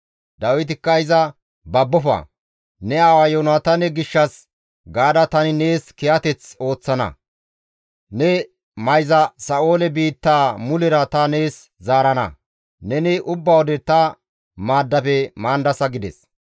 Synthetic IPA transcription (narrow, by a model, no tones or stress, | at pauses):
d̪ɐwɪt̪̬ɪkːɐɪzɐ | bɐbːɔfɐ̰ | nɛaːwɐjonat̪ɐnɛɡɪʃːɐs | ɡaːd̪ɐt̪ɐnɪne̞ːskɛjɐt̪ɛt͡so̞ːt͡sːɐnɐ̰ | nɛ | mɐjzɐsɐʔo̞ːlɛbiːt̪ːaːmʊlɪɾɐt̪ɐneːs | zaːɾɐnɐ̰ | nɛnɪʔʊbːɐwɔd̪ɛt̪ɐ | maːd̪ːɐfɛmaːnd̪ɐsɐɡɪd̪ɛs